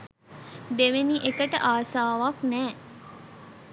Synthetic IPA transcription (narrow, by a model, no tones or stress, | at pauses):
d̪eʋeniʔekəʈə̰ʔaːsaːʋaknɛː